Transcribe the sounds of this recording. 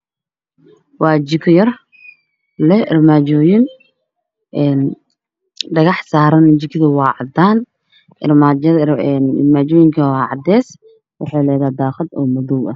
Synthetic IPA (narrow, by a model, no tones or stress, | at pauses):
wɑːt͡ʃɪkʰjɐr | lɛɪrmaːt͡ʃɔːjɪn | ʔɛːn | ɖɐɣɑħsaːɾɐnt͡ʃɪkʰðɐwɑːʕɑd̪aːn | ɪrmaɛnɪ̰rmaːt͡ʃɔːjɪŋkʰɐwɑːʕɑd̪ɛːs | wɑħɑːlɛːðaːd̪aːχɐd̪ɔːmʊðuwɐ